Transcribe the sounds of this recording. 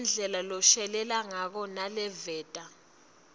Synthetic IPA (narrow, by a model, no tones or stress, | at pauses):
nd͡ɮʱɛlalɔʃɛlɛlaŋak̬ɔnalɛvɛːtʼa